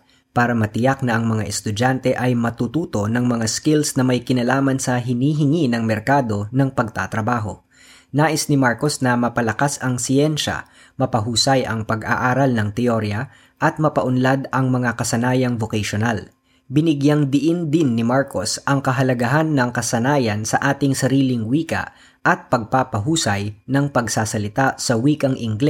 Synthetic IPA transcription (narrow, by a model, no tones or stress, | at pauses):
paːɾɐmɐt̪ɪjak̚nɐʔɐŋmɐŋaʔɛst̪ʊd͡ʒant̪ɛʔɐjmɐt̪ut̪uːt̪o̞nɐŋmɐŋaskɪlsnɐmɐjkɪnɐlaːmɐnsɐɦɪniːɦɪŋinɐŋmɛɾkaːd̪o̞nɐŋpɐɡ̚t̪a̰t̪ɾɐbaːɦo̞̰ | naːʔɪsnɪmaɹko̞snɐmɐpɐlɐkasɐŋsɪɛnʃɐ̰ | mɐpɐɦuːsajʔɐŋpɐɡʔa̰ʔaːɾɐlnɐŋt̪ɛoɾjɐ | ʔɐt̪̚mɐpɐʔʊnlad̪ɐŋmɐŋakɐsɐnaːjɐŋvokɐʃonal | bɪnɪɡjɐŋd̪ɪʔɪnd̪ɪnːɪmaɹkosʔɐŋkɐɦɐlɐɡɐɦanːɐŋkɐsɐnaːjɐnsɐʔaːt̪ɪŋsɐɾiːlɪŋwiːkɐ̰ʔ | ʔɐt̪̚pɐɡ̚paːpɐɦuːsɐjnɐŋpɐɡsaːsɐlɪt̪asɐwiːkɐŋʔɪŋɡlɛ